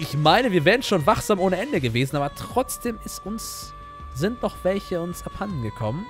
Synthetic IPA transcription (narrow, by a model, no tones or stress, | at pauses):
ʔɪçmaɪnəviːɐvɛːʁənʃoːnvaχz̥aːmʔoːnəʔɛndəɡəveːzn̩ʔaːbɐtʁ̥ɔt͡sd̥eːmɪstʔʊns | zɪntnɔχv̥ɛlçəʊnsɛphann̩ɡəkʰɔmən